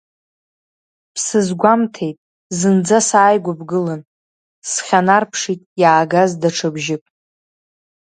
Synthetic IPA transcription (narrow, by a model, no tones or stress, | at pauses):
pʰsɨzɡʷamtʰe̞jtʼ | zɨnd͡zasaːjɡʷabɡɨlɨn | sχʲanarpʰʂitʼjaːɡazdaʈ͡ʂʰɨbʒɪpʼ